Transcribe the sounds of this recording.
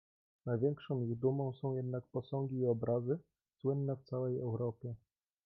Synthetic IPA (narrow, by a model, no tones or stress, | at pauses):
najvʲjɛŋkʂɔ̃w̃iɣd̪umɔ̃w̃sɔ̃w̃jɛd̪nak̚pɔsɔ̃ŋɡʲiːɔbɾazɘ | swɘnːɛft̪sawɛjɛwɾɔpʲjɛ